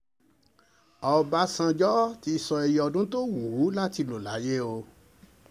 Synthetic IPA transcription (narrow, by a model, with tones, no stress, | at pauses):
ɔ˧ba˦sã˧d͡ʒɔ˦ti˧˦˧sɔ˧e˧ji˧ɔ˧dũ˦to˦wu˨u˨˦la˦ti˧lo˨la˨˦je˦o˧